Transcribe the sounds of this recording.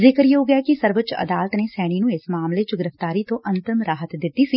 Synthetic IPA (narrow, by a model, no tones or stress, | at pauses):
zɪkəɾjeoɡakisəɾʋət͡ʃɐ̰d̪aːlət̪nesɛːɽ̃inũɪsmaːmlet͡ʃoɡɪɾəft̪aːɾit̪õʔɐ̃nt̪ɪmɾaːɦət̪d̪ɪt̪ːisiː